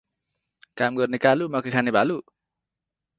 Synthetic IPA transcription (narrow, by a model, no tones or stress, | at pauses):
kamɡɔrnikalumakekʰanibalu